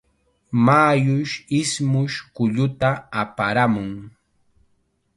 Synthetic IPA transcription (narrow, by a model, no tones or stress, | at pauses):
maːjʊʃɪsmʊʃkʊʎʊt̪aapaɾamʊŋ